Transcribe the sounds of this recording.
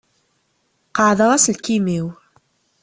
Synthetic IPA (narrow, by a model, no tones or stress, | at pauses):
qəʕðəʁæslkimiw